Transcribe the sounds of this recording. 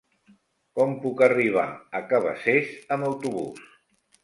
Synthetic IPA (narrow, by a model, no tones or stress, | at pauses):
kɔmpukəriβ̞a̰əkəβ̞ə̰sesəməwt̪uβṵs